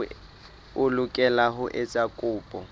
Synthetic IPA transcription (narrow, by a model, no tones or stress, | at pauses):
ʊlʊkʼɛlaɦʊʔet͡sʼakʼʊːpʼɔ